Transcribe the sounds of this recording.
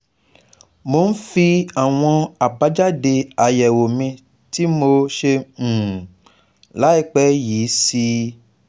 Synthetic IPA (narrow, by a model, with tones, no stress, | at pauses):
mo˨˦n̩˦fi˧a˨w̃ɔ̃˧a˨ba˨˦d͡ʒa˦de˧a˨jɛ˨wo˨mĩ˧ | ti˨˦mo˧ʃẽ˧˨ | la˨˦i˦˧k͡pɛ˦jiː˨˦si˧